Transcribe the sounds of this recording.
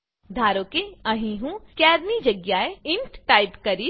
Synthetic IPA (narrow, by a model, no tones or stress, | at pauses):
d̪ʱaːɾõkeɐɦĩɦũkɛːɾnid͡ʒɐɡjaeɪ̃ɳʈʈaːɪpkɐɾi